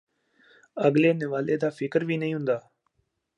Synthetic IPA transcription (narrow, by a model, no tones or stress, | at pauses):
əɡleːnɪʋaːleːd̪aːfɪkəɾʋʱiːnəɦĩːɦʊ̃nd̪aː